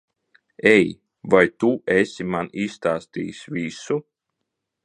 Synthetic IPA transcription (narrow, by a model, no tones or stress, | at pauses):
ɛj | vajt̪uesʲimanist̪aːst̪ḭːsʲvisu